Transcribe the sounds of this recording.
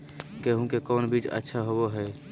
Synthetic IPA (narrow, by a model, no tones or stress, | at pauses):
keɦũkekɔːnbid͡ʒə̰tːʃʰaɦoboɦɛ